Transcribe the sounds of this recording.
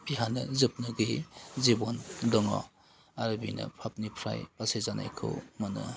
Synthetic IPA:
biɦanɐzɯp̚nɐɡijzebondɔŋɔ̰ | aɾbinɐ̰pʰap̚nipʰɾa̰jpasezanʔa̰jkʰɯ̰wmɐnɐ̰

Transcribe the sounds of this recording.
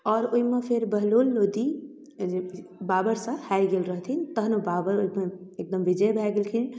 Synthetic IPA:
ɔːɾoimepʰeɾbəɦlolːod̪i | babəɾsə̃hajɡelɾəɦt̪ʰint̪əɦnobabəɾoimeek̚d̪əmʋid͡ʒəjbʱɛɡelkʰin

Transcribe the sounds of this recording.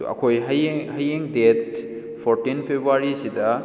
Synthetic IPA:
ɐ̰kʰojɦɐjhɐjeŋdet̚ | pʰoɾtinpʰebɾuaɾisidɐ

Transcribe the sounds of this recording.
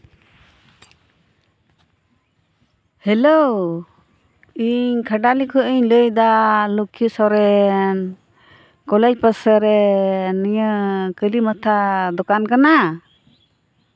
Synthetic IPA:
hɛlɔw | iɲkʰəɖalikʰɔʔiɲləjd̪alukʰːisɔɾɛn | kɔlɛc̚pəsəɾɛnɛɲəkəlimət̪ʰad̪ɔkankana

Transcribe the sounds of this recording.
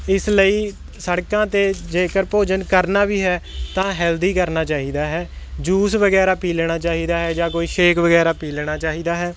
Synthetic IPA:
ɪsləiː | səɽkãːt̪eːd͡ʒeːkəɾpoːd͡ʒənkəɾnaːbiːɦɛːt̪ãːɦɛːld̪iːkəɾnaːt͡ʃaːɦiːd̪aːɦɛːd͡ʒuːsʋəɡɛːɾaːpiːlɽ̃aːt͡ʃaːɦiːd̪aːɦɛːd͡ʒãːkoːiːʃeːkʋəɡɛːɾaːpiːlɽ̃aːt͡ʃaːɦiːd̪aːɦɛː

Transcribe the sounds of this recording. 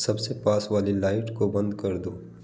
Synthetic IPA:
sɐbsepaːsʋaːlilaːɪʈkobɐ̃nd̪kɐɾd̪oː

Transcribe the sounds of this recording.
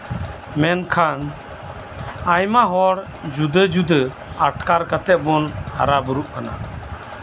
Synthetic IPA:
mɛnkʰan | ajmaɦɔɽ | d͡ʒud̪əd͡ʒud̪ə | aʈkaɾkat̪ɛʔ̚bɔna̰ɾabuɾuʔkana̰

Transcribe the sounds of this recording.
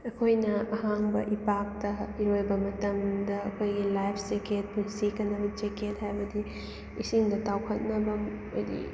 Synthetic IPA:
ɐkʰojnɐɐɦaŋbɐ̰ʔipak̚tɐiɾojbɐmɐtɐmd̪ɐːkʰojɡilajpʰseket̚punsikɐnːɐbɐt͡ʃeket̚hajbɐd̪iː | siŋdɐtawkʰɐt̚nɐbɐm | ojdḭ

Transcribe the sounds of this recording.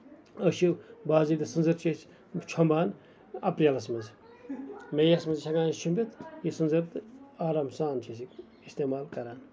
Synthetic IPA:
əʃiwbaːzitd̪ɨsɨnzɐɾt͡ʃʰis | t͡ʃʰombaːn | ɐ̰pɾijɐlɐsmɐz | mejɐsmɐzt͡ʃʰɐɡãːnst͡ʃʰumbʲit̪jisɨnzɐɾt̪ɨaːɾaːmsaːnt͡ʃʰisik | ist̪eːmaːlkɐɾaːn

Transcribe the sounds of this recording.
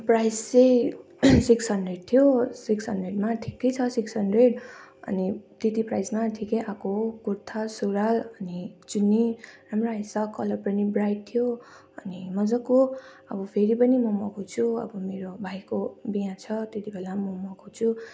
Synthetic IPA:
prajst͡sej | siksʌnɖreʈ̚t̪ʰijosiksʌnɖreʈmaʈʰi̥kːʌjt͡sʰʌsiksʌnɖreʈʌ̰nit̪et̪iprajsmaʈʰikejʔakokuɾt̪ʰasoɾalʌnit͡sunːiramraisʌkːʌlʌrpʌrnibɾajʈ̚t̪ʰijo | ʌnimʌd͡zʌko | ʌ̰bʌpʰeɾipʌnimʌmʌɡʰʱut͡sʰuʌ̰bʌmeɾobʱajkobijãt͡sʰʌt̪et̪ibʱelamʌmʌɡʱut͡sʰu

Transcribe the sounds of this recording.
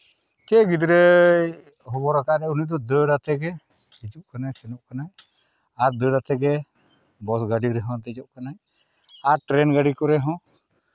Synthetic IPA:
t͡ʃɛɡid̪ɾɛ | ɦɔbɔɾakaʔɾɛunid̪ɔd̪əɽat̪ɛɡɛ | id͡ʒuʔ̚kanasɛnɔʔkanaj | aɾd̪əɖat̪ʰɛɡɛ | bɔsɡaɖiɾɛɦɔ̃t̪ɛd͡ʒɔʔkanaj | aɾʈɾɛnɡaɖikɔɾɛɦɔ̃

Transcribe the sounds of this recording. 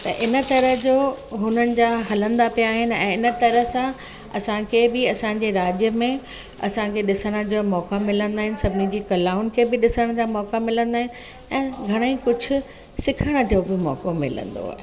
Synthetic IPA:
t̪ɐʔɪnə̆t̪ɐɾəɦd͡ʑoːɦʊnənɪ̆d͡ʑaːɦɐlə̃nd̪apijaːɦɪnɪ̆ɛ̰̃ːɪnə̆t̪ɐɾəɦsã | ɐsãkʰebɪɐsãːɲ̆d͡ʑeɾaːd͡ʑjəmẽ | ɐsãkʰeɗɪsəɽ̃ə̆d͡ʑomɔːkamɪlə̃nd̪aːɦɪnɪ̆sɐbʱɪnid͡ʑiːkɐlaːʊnɪ̆kʰebɪɗɪsəɽ̃d͡ʑamɔːkamɪlə̃nd̪aːɦɪnɪ̆ | ɛ̃ːɡʱɐɽ̃eikʊd͡ʑʱʊ̆ | sɪkʰəɽ̃ə̆d͡ʑoːbɪmɔ̰ːkomɪ̰lə̰̃nd̪o̰ɦa̰

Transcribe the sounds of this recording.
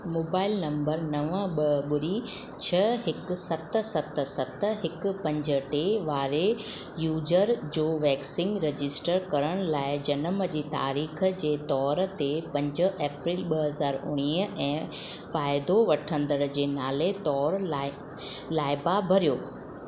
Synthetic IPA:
moːbaːɪlnɐ̃mbəɾnɐʋəɓɐɓʊɾi | t͡ɕʰɐɦɪk̆sɐt̪̆sɐt̪ə̆sɐt̪ə̆ɦɪkʊpɐ̃ɲd͡ʑəʈeʋaːɾe | juːzəɾd͡ʑoːʋɛːksɪ̃ŋɡɾed͡ʑɪsʈəɾkɐɾəɽ̃laːɪd͡ʑɐnəməd͡ʑiːt̪a̰ːɾiːxd͡ʑeːt̪ɔːɾt̪epɐ̃ɲd͡ʑə̆ʔeːpɾiːlɓɐɦɐzaːɾʊ̰ɽ̃iːɦəɛ̃ː | faːɪd̪oʋɐʈʰə̃nd̪əɽ̃d͡ʑeːnaːlet̪ɔːɾ | laːɪbabʱɐɾijoː

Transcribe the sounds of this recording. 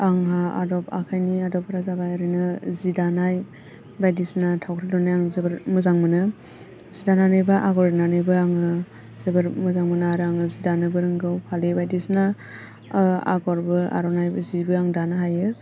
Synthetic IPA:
aŋɦaa̰dɔpa̰kʰajniadɔpaɾazaɡajɾinɯzidanaj | bajdisnatʰawkʰɾidɔnːajaŋzebɯɾmɯzaŋmɯnɯ | zidananɯjbɯʔaɡɔɾenanɯjbɯaŋɯ | z̥ebɯɾmɯzaŋmɯnaaɾɯaŋɯzidanɯbɯɾɯŋɡɯwpʰalibajdisna | a̰ɡɔɾbɯa̰ɾɔnajbɯzibɯaŋdanɯɦajɯ

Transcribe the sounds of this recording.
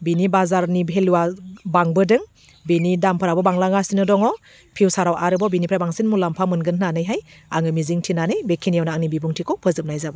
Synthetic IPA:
binibazaɾnibʱeluwabaŋbɯdɯŋ | binidampʰɯɾabɔbaŋlaŋasinɯdɔŋɔ | pʰiwsaɾawʔaɾɯbɔbinipʰɾajbaŋsinmulampʰamɯnɡɯnhnanɯjɦajaŋɯmiziŋtʰinanɯjbekʰinijawnaaŋnibibuŋtʰikʰɔpʰɯzɯp̚najzabɯ

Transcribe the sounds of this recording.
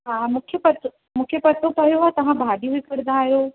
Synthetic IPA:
ɦaːmukʰjepɐt̪o | mũkʰepɐt̪opɐɦjoʋat̪ɐʋ̤ãbʱaːɖiʋɪkəɾd̪aːɦijo

